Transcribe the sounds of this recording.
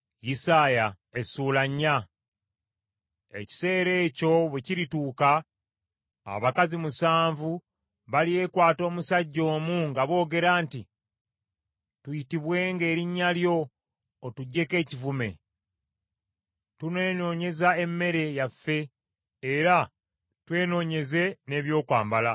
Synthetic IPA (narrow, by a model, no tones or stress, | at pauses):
jisaːja | esuːlaɲːa | e̞̰ci̥se̞ːɾe̞ːco̞βwe̞ciɾituːka | a̰βakazimusaːɱvu | βalije̞ːkwaːto̞ːmusaɟːo̞ːmuŋɡaβo̞ːɡe̞ɾaːnti | tujitiβwe̞ːŋɡe̞ːɾiɲːaljo̞ː | tuɟːe̞ke̞ːcivume̞̰ | tune̞ːno̞ːɲe̞zae̞mːe̞ɾe̞jafːe̞ː | ɾa | twe̞ːno̞ːɲe̞ze̞ne̞ːβjo̞ːkwa̰ːmbala